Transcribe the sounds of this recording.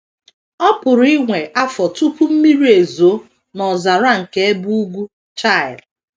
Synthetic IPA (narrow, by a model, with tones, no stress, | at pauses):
ɔ˦pʊ˨ɾi˦ŋʷe˨ʔa˦fɔ˨tu˦pu˦m̩˦mi˦ɾi˦e˨zo˨˦ | nɔ˨za˨ɾa˦ŋ̩˨ke˦e˦bu˦u˦ɡʷu˦ | t͡ʃa˦˨ɪ˨l